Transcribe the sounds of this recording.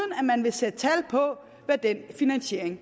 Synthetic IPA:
n̩æmænʋe̝sed̥ət͡sʰæl̰pʰɒ̽ | ʋæɐd̥en̰finænɕe̝̰ɐ̰eŋ

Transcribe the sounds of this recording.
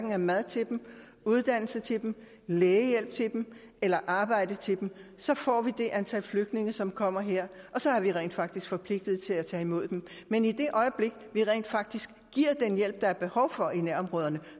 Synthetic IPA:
ɡ̥ŋ̩æɐmæð̞ˠt͡sʰe̝d̥m̩ | uð̞ˠd̥æn̰l̩sət͡sʰe̝d̥em̩ | leːəjel̰b̥̚t͡sʰe̝d̥m̩ | elɐʔɑ̈ːb̥ɑ̈ɪ̰d̥ət͡sʰe̝d̥m̩sɒ̽fɒ̰ːʋid̥e̝ʔænt͡sʰælfløɡ̥d̥ne̝ŋəsɒ̽mkʰɒ̽m̰ɐɦeɐ̰ | ʔɒ̽sɒ̽æɐʋiʁɛ̰ːnd̥fɑ̈ɡ̥d̥isɡ̥fɒ̽pʰle̝ɡ̥̚d̥ð̞̩ˠt͡sʰe̝læt͡sʰɛ̰ːimo̝ð̞̰ˠd̥em | menid̥e̝ʔɒ̽ɪəb̥le̝ɡ̥ʋiʁɛ̰nd̥fɑ̈ɡ̥̚d̥isɡ̥ːiɐ̰d̥enjel̰b̥̚d̥ɑ̈æɐb̥e̝hɒ̽ʊfɒ̽inæɐɒ̽mʁɔ̽ːð̞ˠɐnə

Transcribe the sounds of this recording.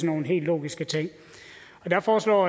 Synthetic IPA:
sno̝ːn̩ɦe̝̰ːlːo̝̰ːɡ̥isɡ̥ət͡sʰeŋ̰ | ɒ̽d̥æfɒːslɒ̰ː

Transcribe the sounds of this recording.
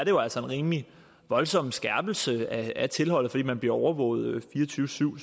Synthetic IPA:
ɐɾe̝jo̝æl̰sɐe̝nʁiːmli | ʋɒ̽lsɒ̽m̰sɡ̥æɐb̥l̩səææt͡sʰe̝lɦɒ̽l̰ð̩ˠfɒ̽d̥ḭːmænb̥liɐɒʊɐʋɔ̰̽ːʊð̩ˠfiːɐt͡sʰyːʊəsyʊ̰

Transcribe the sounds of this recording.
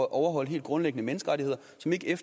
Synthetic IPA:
ʔɒʊɐɦɒ̽l̰ɦe̝̰ːld̥̚ɡ̥ʁɔ̽nleɡ̥ənəmenəsɡ̥əʁɑ̈ɾʰihe̝ð̰ˠɐ | sɒ̽me̝ɡ̥əef

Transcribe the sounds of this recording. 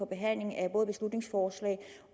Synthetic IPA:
ɒ̽b̥e̝ɦæn̰le̝ŋæb̥ɔ̽ːðˠb̥eslud̥ne̝ŋsfɒːslɛ̰ːɪ

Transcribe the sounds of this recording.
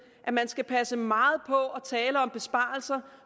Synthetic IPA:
ʔæmænsɡ̥æpʰæsəmɑ̈ːð̞̩ˠpʰɒ̽ʔɒ̽t͡sʰɛːləɒ̽mb̥e̝sb̥ɑ̈ːl̩sɐ

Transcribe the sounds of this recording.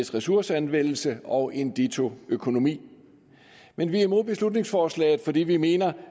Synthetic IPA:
sʁɛsuɐsəænʋen̰l̩səɒ̽ʔe̝nd̥et͡sʰo̝økʰo̝no̝mḭː | menʋiimo̝ð̰ˠb̥e̝slud̥ne̝ŋsfɒːslɛ̰ːɪð̩ˠfɒ̽dḭːʋime̝ːnɐ

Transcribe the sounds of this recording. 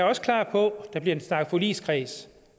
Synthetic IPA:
ɐɒ̽sə̥kʰlɑ̰̈ːpʰɒ̽d̥ɑ̈b̥liɐensnɑ̈ːɡ̥̩ˠfolḭːskʰʁɛːs

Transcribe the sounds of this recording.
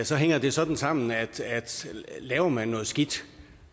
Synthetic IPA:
sɒ̽ɦeŋ̰ɐd̥e̝sɒ̽d̥n̩sɑ̈m̰n̩æd̥æd̥lɛːʊɐmænːɔ̽ːð̩ˠsɡ̥id̥

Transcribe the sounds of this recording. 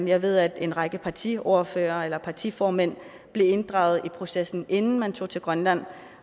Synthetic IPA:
jɑ̈ɪʋe̝ð̞̰ˠæd̥e̝nʁɑ̈ɡ̥əpʰɑ̈t͡sʰḭo̝ːɐfø̰ːɐelɐpʰɑ̈t͡sʰḭfɒːmen̰ | b̥le̝e̝nd̥ʁɑ̰̈ʊð̩ˠipʰʁo̝sesn̩ʔe̝nn̩mænt͡sʰo̝̰ːt͡sʰe̝lɡ̥ʁɶnlæn̰

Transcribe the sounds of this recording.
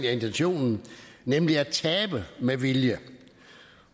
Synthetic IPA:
næe̝nt͡sʰenɕo̝̰ːnn̩nemliæt͡sʰɛːb̥əmeʋiljə

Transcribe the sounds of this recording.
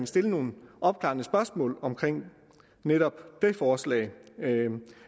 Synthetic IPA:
sd̥e̝ləno̝ːn̩ɒ̽b̥kʰlɑ̰̈ːnəsb̥ɶɐsmɔ̰̽ːlɒ̽mkʰʁeŋ̰ | neɾ̥ɒ̽b̥d̥e̝fɒːslɛ̰ɪ

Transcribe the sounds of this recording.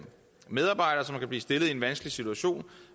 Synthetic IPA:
með̞ˠɑ̈b̥ɑ̈ɪ̰ɾ̥ɐːsɒ̽mkʰæb̥liːsd̥e̝lð̩ˠie̝nʋænsɡ̥əlisit͡sʰuæɕo̝̰ːn

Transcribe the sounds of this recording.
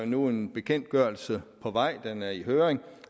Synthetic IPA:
nue̝nb̥e̝kʰen̰d̥̚ɡ̥ɶɐ̰lsəpʰɒ̽ʋɑ̈ɪ̰d̥enæɐiɦøːʁeŋ

